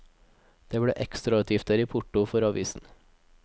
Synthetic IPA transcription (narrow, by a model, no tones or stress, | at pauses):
d̪̥eːbɽḛːʔɛkst̪ɾɑʉːt̪ʰiːft̪d̪æːɾiːpʰʊʈʊfɔɾɑʋiːsn̩